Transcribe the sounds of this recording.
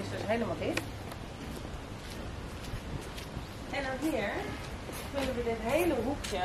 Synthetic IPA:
ɪsdøsɦejləmalˠdɪt | ɛnaʋiəɹ | kʏnəʋədɪtɦejləɦukjə

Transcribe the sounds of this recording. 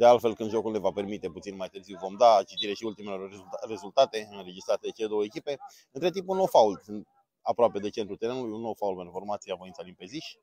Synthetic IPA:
d̪ealt̪fe̞lkɨnd̪ʒo̞kulne̞vape̞rmit̪e̞put̪sinmajt̪ɨrziwvo̞md̪at͡ʃit̪iɾe̞ʃiult̪imeleoere̞zult̪at̪e̞ɨnɾe̞d͡ʒist̪ɾat̪eet͡ʃe̞le̞d̪owəekʲipe̞ | ɨnt̪ɾe̞t̪impunowfault̪ | apɾoape̞d̪e̞t͡ʃe̞nt̪ɾlut̪eɾe̞nulujunːowfaulpeɾfo̞rmat̪sijeavo̞int̪salimpeziʃʲ

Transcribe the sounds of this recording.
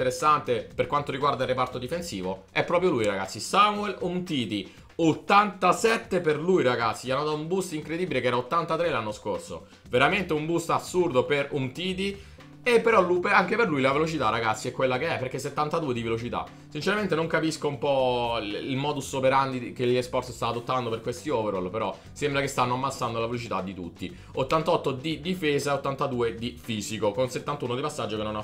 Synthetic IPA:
t̪eɾesːant̪eperkwant̪oɾiɡward̪ailrːepart̪od̪ifensḭːvo | ɛpːɾɔːpɾjolujɾaɡa̰t̪sːisamuɛlunt̪it̪i | ot̪ːant̪asɛt̪ːeperlujɾaɡat̪sːiʎanːad̪at̪umbust̪iŋkɾed̪iːbilekeɛːɾaot̪ːant̪at̪ɾelanːosko̰rso̰ | veɾament̪eumbust̪asːurd̪operunt̪iːt̪i | epːeɾɔlupeaŋkeperlujlavelot͡ʃit̪arːaɡat̪sːiɛkːwelːakeɛpːerk̟esːet̪ːant̪ad̪uːed̪ivelot͡ʃit̪a̰ | sint͡ʃeɾament̪enoŋkapiskoumpɔilmɔːd̪usopeɾand̪ikeʎːespɔrt̪sst̪avad̪ot̪ːand̪operkwest̪ioveɾolpeɾɔ | sembɾakest̪anːoamːat̪sːand̪olavelot͡ʃit̪ad̪ːit̪ṵt̪ːḭ | ot̪ːant̪aɔt̪ːod̪id̪ifeːzaot̪ːant̪ad̪uːed̪ifiːzikokonset̪ːant̪uːnod̪ipasːad͡ʒːokenːona

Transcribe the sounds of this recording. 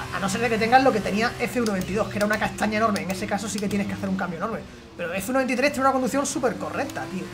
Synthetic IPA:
a̰no̞s̬eɾðe̞ke̞t̪e̞ŋɡalo̞ke̞t̪e̞niae̞feunoe̞nt̪iðo̞hkee̞ɾaunakast̪aɲaenoɾmeːŋe̞sekas̬o̞siket̪je̞nehkeθe̞ɾuŋkambjono̞ɾme̞ | pe̞ɾoefeunont̪it̪ɾe̞st̪jnunakond̪uθjõ̞nsupe̞ɾko̞rekt̪at̪iu

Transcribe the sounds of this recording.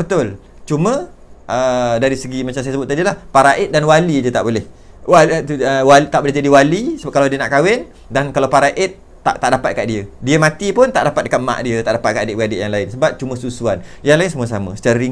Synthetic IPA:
bət̪ʊl | t͡ʃumə̃ | ʔədaɾisəɡimat͡ʃamsajasəbʊt̪̚ːadilahpaɾaʔɪt̪̚danwalid͡ʒət̪a̰ʔbolɛh | wat̪uəwalit̪aʔbolɛɦd͡ʒadiwalisəkaladiənaʔkawɛn | dankalawpaɾaʔɪt̪̚ːa̰ʔt̪aʔdapat̪̚əkaʔdiədiəmãt̪ipʊnt̪a̰ʔdapat̪̚dəkat̪̚mã̰ʔdiət̪aʔdapat̪̚kadɪʔwɡadɪʔjaŋlaɪnsəbap̚t͡ʃumə̃susuanjaŋlaɪnsəmuas̬amə̰̃sə̥t͡ʃaɾaɾi

